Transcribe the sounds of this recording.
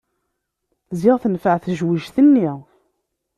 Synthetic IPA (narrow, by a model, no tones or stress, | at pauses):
zɪʁθənfəʕθəʒwiʒθənːi